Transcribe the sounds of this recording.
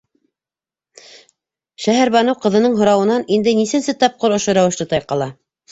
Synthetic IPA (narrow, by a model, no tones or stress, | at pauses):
ʃæɦæɾβɑnɤwqɤ̆ðɤ̆nɤɴɦŏɾɑwɤ̆nɑnind̪ɘnisɘ̆nsɘt̪ɑp̚qoɾŏʃoɾæwɘ̆ʃlɤt̪ɑjqɑlˠɑ